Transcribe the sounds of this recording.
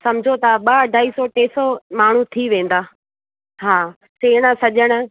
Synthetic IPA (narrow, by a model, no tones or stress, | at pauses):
sɐmd͡ʑʱot̪ʰaɓɐɐɖʱaːisɔʈeːsɔmaːɳ̤ut̪ʰiʋẽːn̆d̪aː | ɦaː | seːɽ̃əsɐʄəɽ̃ə̆